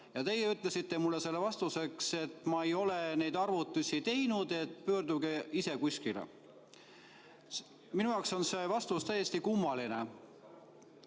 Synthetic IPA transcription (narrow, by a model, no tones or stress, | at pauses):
jɑt̪e̞jeyt̪ːˑle̞sit̪ːe̞mulːese̞lːevɑst̪use̞kse̞t̪ːˑmɑejo̞lene̞jd̪ɑrvut̪ːˑusʲit̪e̞jnud̪̥e̞t̪pø̞ːrd̪uɡeise̞kusʲkilḛ | minujɑokso̞nse̞vɑst̪ust̪æjːesʲt̪ikumːɑline